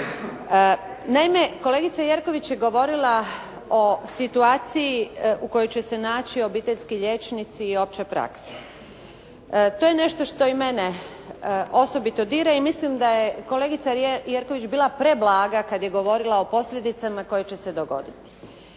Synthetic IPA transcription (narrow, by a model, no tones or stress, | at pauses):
naime̞ko̞le̞ɡit̪sajeɾko̞ʋit͡ɕjeɡo̞ʋo̞ɾilˠa | o̞sit̪uaːt̪sijiuko̞jot͡ɕesenaːt͡ɕio̞biːt̪eʎʲskiʎe̞t͡ʃnit̪siːo̞p̚t͡ɕepɾa̰kse̥ | t̪ojene̞ʃt̪oʃt̪o̞ime̞ne | o̞so̞bit̪o̞d̪iːɾaimislimd̪ajeko̞leɡit̪sajeɾko̞ʋit͡ɕbiːlapɾeblaːɡakad̪je̞ɡo̞ʋo̞ɾilˠao̞po̞sʎʲe̞d̪it̪samako̞jet͡ɕe̞se̞d̪o̞ɡo̞̰d̪it̪i̥